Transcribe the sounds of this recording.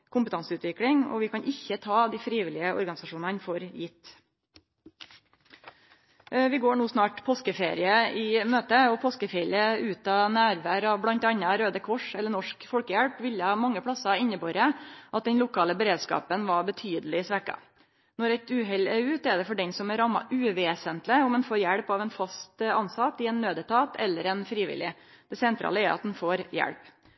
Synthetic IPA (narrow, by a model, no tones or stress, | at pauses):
kʰʊmpət̪ʰɑnsəʉːt̪ʋɪkɽɪŋɔ̰ʋɪkʰɑnʔɪçːət̪ʰɑːd̪iːfɾiːʋɪlɪəʔɔ̰ɾɡɑnɪsɑʂuːnɑnfɔɾjɪt̪ː | ʋɪɡoːɳuːsnɑːʈpʰoːskəfeːɾɪəɪmøːt̪əɔpʰoːskəfeːɾɪəʉːt̪ɑnæːɾʋæːɾɑʋblɑnt̪ɑnːɑɾøːd̪əkʰɔʂɛlːəɳɔʂkfɔlkəjæɽpʋɪljəhɑːmɑŋːəpʰɽɑsɑɪnːəboːɾəʔɑt̪̚d̪ɛnlʊkʰɑːləbəɾeːd̪skɑ̰ːpənʋɑbət̪ʰyːd̪əlɪsʋækɑ̰ | nɔɾɛt̪ʉːɦɛleːʉːt̪ɛɖɛfɔɖɛnsɔmɛɾɑmːɑ̰ʔʉːʋeːsənt̪lɪʊmɛnfoːɾjæɽpɑʋɛnfɑst̪ɑnsɑt̪ːɪɛnːøːd̪ət̪ʰɑːt̪ɛlːəɾɛnfɾiːʋɪ̰lːɪ | d̪̥ɛsɛnt̪ʰɾʔɑ̰ːləæɾɑt̪̚d̪ɛnfoːɾjæ̰ɽp